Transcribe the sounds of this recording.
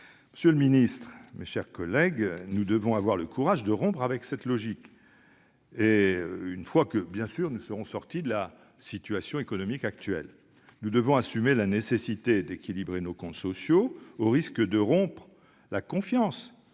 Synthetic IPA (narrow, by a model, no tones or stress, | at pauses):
məsjøləminist̪χmeʃɛʁkɔlɛɡnud̪əvɔ̃avwaʁləkʰuʁaʒd̪əʁɔ̃pχavɛksɛt̪lɔʒik | eynfwakəbjɛ̃syʁnusəʁɔ̃sɔʁt̪id̪əla | sit̪ɥasjɔ̃ekɔnɔmikak̚t̪ɥɛ̰l | nud̪əvɔ̃asymelanesesit̪ed̪ekʲilibʁenokɔ̃t̪sɔsjooʁiskəd̪əʁɔ̃pχ | lakɔ̃fjɑ̃s